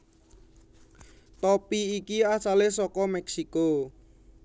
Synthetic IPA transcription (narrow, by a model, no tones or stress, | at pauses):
t̪ɔpiikiasalesɔkɔmɛksiko